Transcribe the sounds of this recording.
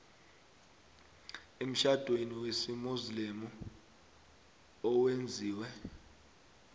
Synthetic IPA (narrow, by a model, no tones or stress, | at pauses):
em̩ʃad̥ʱweniwesimuzlimu | ɔwend͡zʱiːwɛ